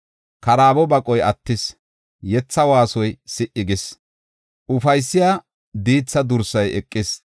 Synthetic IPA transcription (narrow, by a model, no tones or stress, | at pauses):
kɐɾaːbɔbɐkʼɔjɐt̪ːɪs | jɛt͡sːɐwaːsɔjsɪʔɪɡɪs | ʔʊfɐjsːɪjaː | d̪iːt͡sːɐd̪ʊɾsɐjɛkʼːɪs